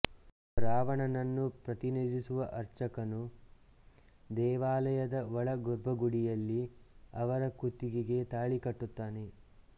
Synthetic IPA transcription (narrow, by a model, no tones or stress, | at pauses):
ɾaːʋɐɳɐnɐnːupɾɐt̪iniːd̪isuʋɐʔɐɾt͡ʃɐkɐnu | d̪ɛːʋaːlɐjɐd̪ɐʋɔɭɐɡuɾbʱɐɡuɽijɐlːiɐʋɐɾɐkut̪ːiɡiɡe̞t̪aːɭikɐʈːut̪ːaːne̞